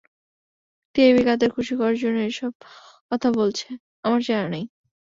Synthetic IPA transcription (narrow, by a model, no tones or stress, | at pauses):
t̪eebikad̪eɾkʰuʃikɔɾaɾd͡ʑonːeeʃɔb̚ | kɔt̪ʰabolt͡ɕʰe | amaɾt͡ɕaɾanaj